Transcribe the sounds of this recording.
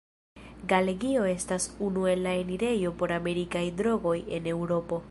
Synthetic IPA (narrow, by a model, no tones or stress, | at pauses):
ɡale̞ɡio̞e̞stasunue̞lːae̞niɾe̞jo̞po̞ɾame̞ɾikajdɾo̞ɡo̞je̞ne̞wɾo̞po̞